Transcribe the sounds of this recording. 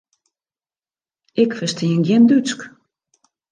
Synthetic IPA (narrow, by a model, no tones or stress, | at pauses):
ɪkfəstʰiəŋɡjɛndyt͡sk